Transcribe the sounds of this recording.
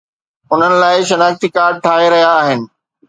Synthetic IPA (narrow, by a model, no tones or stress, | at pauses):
ʊn̤ənɪ̆laːɪʃɐnaːxt̪ikaːɾɖ̚ʈʰaːeɾɐɦijaːɦɪnɪ̆